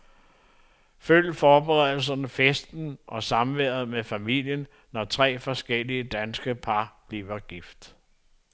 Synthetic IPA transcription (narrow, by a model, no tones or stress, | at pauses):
føl̰̥fɒːb̥eʁɛðˠl̩sɐnəfesd̥n̩ʔɒ̽sɑ̈mʋeɐð̩ˠmefæmil̰jənː | ɒt͡sʰʁɛ̰ːfɒ̽sɡ̥eliəd̥ænsɡ̥əpʰɑ̈b̥liːʋɐɡ̥ifd̥